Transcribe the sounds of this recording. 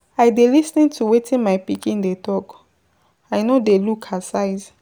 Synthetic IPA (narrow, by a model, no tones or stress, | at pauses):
aɪdelisnĩntʰuwetĩnmaɪpikĩndetʰɔk | aɪnodelukʰasaɪz